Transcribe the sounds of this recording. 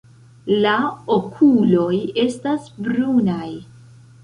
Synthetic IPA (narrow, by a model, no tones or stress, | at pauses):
laokʰulo̞je̞stasbɾunaj